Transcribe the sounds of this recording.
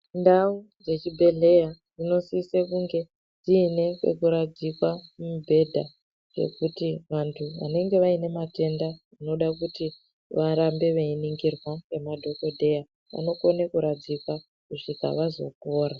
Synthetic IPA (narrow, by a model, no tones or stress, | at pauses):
ndau | d͡zet͡ʃibʱe̞ɮe̞jarino̞siːsekuŋɡe̞ | d͡ziːne̞kwḛkuɾad͡zikwamubʱe̞dʱa | d͡ʒe̞̰kutiʋantʰuʋa̰ne̞ŋɡe̞ʋaine̞mate̞nda | ino̞ɗakuti | ʋaɾambe̞ʋeiniŋɡirwawe̞madʱo̞ko̞dʱe̞ja | ʋa̰no̞ko̞nekuɾad͡zikwa | kuʐika̰ʋazo̞̰koːɾa